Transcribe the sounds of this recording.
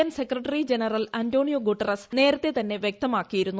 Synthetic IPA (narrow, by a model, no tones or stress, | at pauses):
ansekrɐʈːɐrid͡ʑenɐrɐlɐnto̞ːɳijoɡuʈːɐrɐsne̞ːɾɐt̪ːe̞t̪ɐnːe̞ʋjek̚t̪ɐmaːkːijiɾunːu